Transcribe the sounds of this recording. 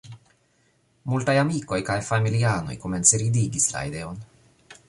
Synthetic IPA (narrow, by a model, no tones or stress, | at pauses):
multajamiko̞jkajfamiliano̞̰jkomensiɾid̪iɡisla̰ḭd̪e̞o̞n